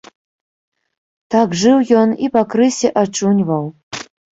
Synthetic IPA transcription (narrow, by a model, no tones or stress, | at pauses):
t̪aɡʐɨwjɔnipakɾɨsʲɛʔat͡ʂunʲvɐw